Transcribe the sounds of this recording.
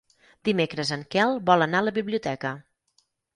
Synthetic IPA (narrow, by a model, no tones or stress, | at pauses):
d̪imekɾəzəŋkɛlˠbɔlˠənaələβiβliut̪ɛkə